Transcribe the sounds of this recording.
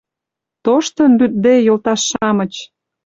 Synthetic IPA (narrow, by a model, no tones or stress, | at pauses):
t̪oʃt̪ə̆nlyt̪̚d̪ejolt̪ɑʃːɑmə̆t͡ɕ